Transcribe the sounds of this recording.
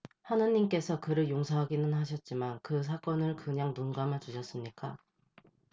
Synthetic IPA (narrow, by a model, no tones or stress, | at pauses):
hanɯɲimk͈e̞sʰʌkɯɾɯɭjoŋsʰʌɦaɡinɯnɦaɕʰʌt̚t͡ɕ͈imankɯs̬ʰak͈ʌnɯɭkɯɲaŋnunɡamat͡ɕuɕʰʌs͈ɯmɲik͈a